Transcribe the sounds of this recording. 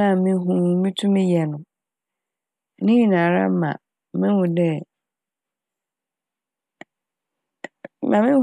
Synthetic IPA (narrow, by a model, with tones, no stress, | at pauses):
ã˦˨mɪ̃˦ɦũ˦˨mĩ˦tʰũ˦mĩ˦jɛ˨nʊ̃˨ | nɪ̃˦ji˦nã˨ɾã̰˦m˦mã̰˨ | mɪ̃˦hʊ̃˨dɛ˦ | mã˨mɪ̃˦